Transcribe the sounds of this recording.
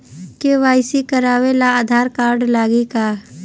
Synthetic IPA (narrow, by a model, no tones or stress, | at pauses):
keʋaːɪsikəɾaːʋelaaːd̪ʱaːɾkaːɾɖlaːɡikaː